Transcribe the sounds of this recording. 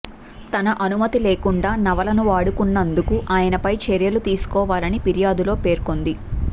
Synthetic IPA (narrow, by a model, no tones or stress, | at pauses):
t̪ɐnɐʔɐnumɐt̪ile̞ːkuɳɖaːnɐʋɐlɐnuʋaːɽukunːɐnd̪ukuʔaːjɐnɐpɐjt͡ʃeɾjɐlut̪iːsu̥kɔːʋaːlɐnipiɾijaːd̪ulo̞ːpe̞ːɾko̞nd̪i